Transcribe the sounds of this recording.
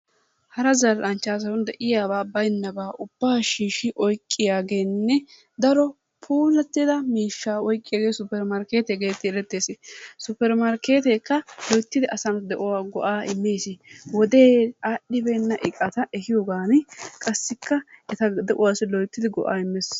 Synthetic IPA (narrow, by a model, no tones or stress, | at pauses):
hɐɾɐzɐlʔɐnt͡ʃːaːs̬ɐwʊnd̪ɛʔɪjaːβaːbɐjnːɐbaːʔʊb̥ːaːʃiːʃɪʔɔjkʼːɪjaːɡe̞ːnːɛ | d̪ɐɾɔ | pʰuːlɛt̪ːɪd̪ɐmiːʃːaːɔjkʼːɪjaːɡeːsʊpːɛɾmɐɾke̞ːt̪ɛɡe̞ːt̪ːɪɛɾɛt̪ːe̞ːsɪsʊpːɛɾmɐɾke̞ːt̪eːkːɐlɔjt̪ːɪd̪ɪʔɐsɐnd̪ɛʔʊwaːɡɔʔaːɪmːeːsɪwɔd̪eːaːɗːɪbeːnːɐʔɪkʼːɐt̪ɐʔɛhɪjoːɡaːnɪkʼɐsːɪkːɐɛt̪ɐd̪ɛʔʊwaːsɪlɔjt̪ːɪd̪ɪɡɔʔaːɪmːɛs